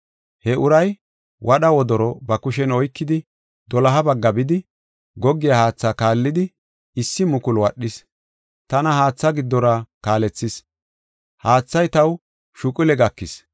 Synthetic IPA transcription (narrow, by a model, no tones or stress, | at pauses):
hɛʔʊɾɐj | wʔɐɗɐwɔd̪ɔɾɔbɐkʊʃɛnɔjkːɪd̪ɪ | d̪ɔlɐɦɐbɐɡːɐbɪd̪ɪ | ɡɔɡːɪjahaːt͡sːaːkaːlːɪd̪ɪ | ɪsːɪmʊkʊlwɐɗːɪs | t̪ɐnɐhaːt͡sːɐɡɪd̪ːɔɾakaːlɛt͡sːɪs | haːt͡sːɐjt̪ɐw | ʃʊkʼʊlɛɡɐkːɪs